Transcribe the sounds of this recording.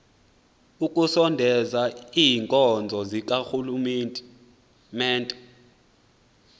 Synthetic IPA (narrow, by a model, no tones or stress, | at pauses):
ukʼusɔndʱɛzaiːŋkʼɔnd͡zʱɔzik̬ʼaxulumɛ | mɛːntʼɛ